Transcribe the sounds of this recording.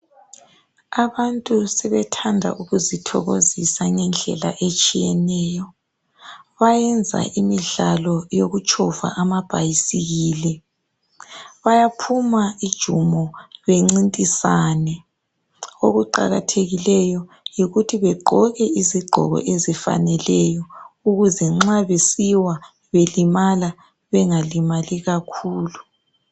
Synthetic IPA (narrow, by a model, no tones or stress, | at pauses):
aβantʼusɛβɛtʰandʱa̰ʔuɣuzitʰɔ̰ɣozisaŋɛnd͡ɮʱɛ̰la̰ʔet͡ʃʼijɛnɛːjɔ | βajɛnd͡zʱa̰ʔimiɮalɔjoɣut͡ʃʼɔva̰ʔamab̥ʱajisiɣiːlɛ | βajapʰumaid̥ʒ̥ʱumɔβeŋ͡ǀintʼisaːnɛ | o̰ɣuǃa̰ɣatʰeɣilɛjɔ | jiɣutʰiβɛɡ͡ǃʱɔɣɛiziɡ͡ǃʱɔ̰ɣɔ̰ʔezifa̰nɛlɛjɔuɣuzɛŋ͡ǁaβesiwa | βelimala | βɛŋalimaliɣakʰuːlu